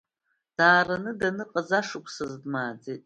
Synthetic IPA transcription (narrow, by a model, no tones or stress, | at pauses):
d̥aːranɨdanɨqʼazaʂɨkʷʰʼsɐzdmaːd͡zitʼ